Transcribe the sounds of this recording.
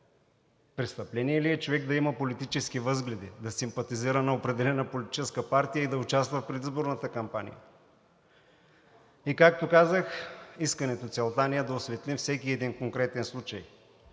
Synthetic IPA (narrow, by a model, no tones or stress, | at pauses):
pɾɛst̪ɐplɛniɛliɛt͡ʃovɛɡd̪ɐimɐpolit̪it͡ʃɛskivɤzɡlɛd̪ḭd̪ɐsimpɐt̪iziɾənɐopɾɛd̪ɛlɛnəpolʲit̪i̥t͡ʃɛskəpaɾt̪ijəid̪ɐʊt͡ʃast̪vəfpɾɛd̪izboɾnət̪əkɐmpanḭjə̰ | ikak̚t̪okazəxiskɐnɛt̪ot̪sʲɛlˠt̪aniəd̪ɐosvɛt̪lifsɛkiɛd̪inkoŋkɾɛt̪ɛnslˠut͡ʃəj